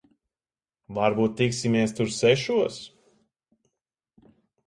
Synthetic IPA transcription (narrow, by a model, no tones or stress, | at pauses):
vaɾbuːt̪̚ːiksimiɛst̪uɾsɛʃuɔs